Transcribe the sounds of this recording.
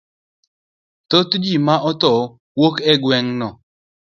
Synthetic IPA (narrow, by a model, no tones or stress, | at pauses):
t̪ot̪d͡ʒimaʔɔt̪ɔ | wokɛɡwɛŋnɔ